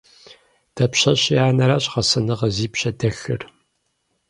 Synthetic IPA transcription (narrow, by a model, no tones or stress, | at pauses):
d̥ɐpɕɐɕjaːnɐɾaːɕχɐsɐnɨʁɐziːpɕɐdɐxɨ̰r